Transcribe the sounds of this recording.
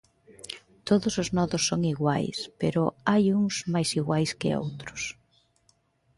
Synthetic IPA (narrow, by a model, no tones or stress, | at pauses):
t̪oðʊsʊznɔðʊsːoŋiɣwa̰jspḛɾʊajuŋsmajsiɣwajskɪ̰o̰wt̪ɾʊs